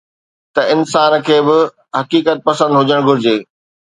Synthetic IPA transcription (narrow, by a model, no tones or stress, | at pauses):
t̪ɐɪnsaːnkʰeːbɪ | ɦɐkiːkət̪̚pɐsə̃nd̪ɦʊd͡ʑəɽ̃ɡʱʊɾɪd͡ʑeː